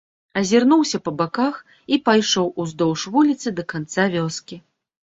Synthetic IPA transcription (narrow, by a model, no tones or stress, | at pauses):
ɐzʲirnuwsʲɐpɐbakax | ipajʂɔwʔuzd̪ɔwʂvulʲit̪sɨd̪ɐkant̪savʲɔskʲi